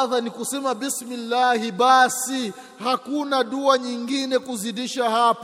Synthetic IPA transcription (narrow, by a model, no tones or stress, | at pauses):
ðanikusɛmabismilːahiɓasi | hakunaɗuaɲiŋɡinɛkuziɗiʃahap